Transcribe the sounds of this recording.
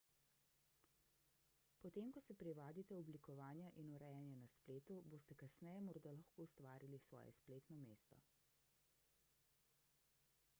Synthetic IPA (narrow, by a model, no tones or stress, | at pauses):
pɔt̪eːmkɔsɛpɾiʋaːd̪it̪ɛɔblikɔʋaːnjaʔinuɾɛjanjanaspleːt̪uboːst̪ɛkasnɛjɛmɔɾd̪alaxkoːust̪ʋaːɾilisʋɔ̰ːjɛ̰spleːt̪nɔmeːst̪ɔ̰